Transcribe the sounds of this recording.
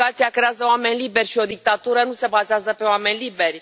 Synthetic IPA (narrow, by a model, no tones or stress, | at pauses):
at̪sijakɾe̞azəoame̞nʲliberʲʃio̞d̪ik̚t̪at̪uɾənuse̞bazeazəpe̞oame̞nʲliberʲ